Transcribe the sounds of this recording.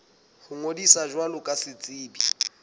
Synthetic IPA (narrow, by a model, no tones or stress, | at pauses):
hʊŋodisaʒwalʊkʼasɪt͡sʼiːbi